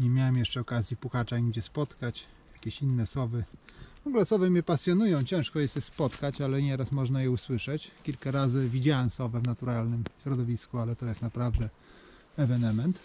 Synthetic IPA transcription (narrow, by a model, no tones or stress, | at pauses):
ɲɛmʲjawɛmjɛʂt͡ʂɛɔkazʲjipuxat͡ʂaiŋɡd͡ʑɛspɔt̪kat͡ɕ | jakʲeɕinːɛsɔbɘvɔŋɡulɛsɔvɛmʲjɛpasʲjɔnujɔ̃w̃t͡ɕɛ̃ʂkɔjɛst̪jɛspɔt̪kat͡ɕalɛɲɛɾasmɔʐnajɛuswɘʂɛt͡ɕkʲilkaɾazɘvʲid͡ʑawɛmsɔvɛvnat̪uɾalnɘmɕɾɔd̪ɔvʲiskualɛt̪ɔjɛst̪napɾavd̪ɛ | ɛvɛnɛmɛnt̪